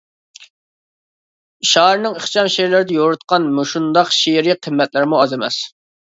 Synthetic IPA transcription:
ʃɑɦɾnɨŋəχt͡ʃʰɑnʃeɾlɪɾɪd̪ɛjoɾut̪̚qɑnmuʃund̪ɑqʃiɾiqʰəmːɛt̪lɪɾmuɑzemɛ̰s

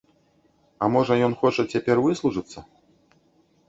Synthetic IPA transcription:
ɐmɔʐɐjɔnxɔt͡ʂɐt͡sʲapʲɛrvɨslˠuʐɨt̪sːɐ

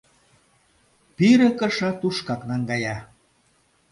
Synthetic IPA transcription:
piɾə̆kə̆ʃɑt̪uʃkɑknɑŋɡɑjɑ

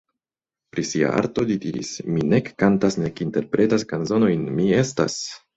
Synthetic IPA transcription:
pɾisia̰ʔa̰ɾto̞lidiɾḭsmine̞kːantasne̞kinte̞ɾpɾe̞taskanzo̞no̞jnmie̞sta̰s

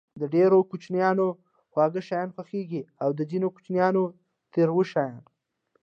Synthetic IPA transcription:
d̪əɖeɾokut͡ʃnjɑno | xwɑɡəʃɑjɑnxwaxeɡiawd̪əzinoku̥t͡ʃnjɑno | t̪eɾwəʃɑjɑn

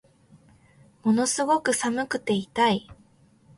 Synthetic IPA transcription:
mo̞no̞sɨɡo̞kɯ̟samɯ̟kɯ̟t̪e̞it̪ai

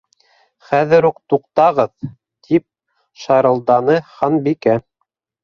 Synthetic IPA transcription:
χæðɘ̆ɾuqt̪uqt̪ɑʁɤð | t̪ʰip̚ | ʃɑɾɤ̆lˠd̪ɑnɤχɑnbikæ

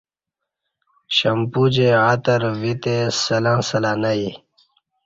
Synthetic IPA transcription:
ɕɐmpud͡ʑeat̪əɾvit̪esɐlãːsɐlaːnai

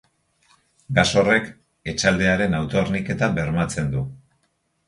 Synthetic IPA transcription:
ɡaso̞re̞k | e̞t͡ʃald̪e̞aɾe̞nawt̪o̞ernike̞t̪abe̞ɾmat͡se̞nd̪u

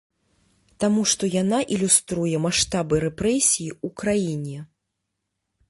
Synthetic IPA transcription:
t̪amuʂt̪ɔjanaʔilʲust̪ɾujɛmaʂt̪abɨɾɛpɾɛsʲijiukɾajinʲɛ

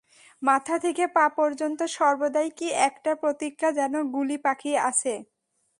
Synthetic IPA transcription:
mat̪ʰat̪ʰekepapɔɾd͡ʑont̪oʃɔɾbod̪ajkiʔɛkʈapɾot̪ikʰːad͡ʑɛnoɡulipakʰiea̰t͡ɕʰe

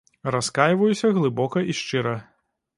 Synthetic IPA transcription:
raskajvɐjusʲɐɣlˠɨbɔkɐʔiʂt͡ʂɨɾɐ

